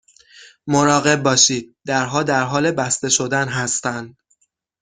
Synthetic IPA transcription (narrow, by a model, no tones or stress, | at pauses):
moɾɒːɣe̞b̚ːɒːʃiːd̪̥̚d̪æɾɦɒːd̪æɾɦɒːle̞bæst̪e̞ʃo̞d̪ænɦæst̪ænd̪